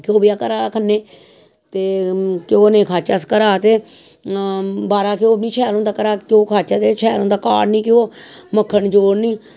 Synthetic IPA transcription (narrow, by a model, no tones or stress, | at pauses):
kɪoːbɪjaːkəɾaːaːkʰənːeː | t̪eːkɪoːnẽːkʰaːt͡ʃaːskəɾaːt̪eː | baːɾaːkɪoːnĩːt͡ʃʰɛːlõːnd̪aːkəɾaːkɪoːkʰaːt͡ʃaːt̪eːt͡ʃʰɛːlõːnd̪aːkaːɽnĩːkɪoː | məkʰːəɳd͡ʒoːɽnĩː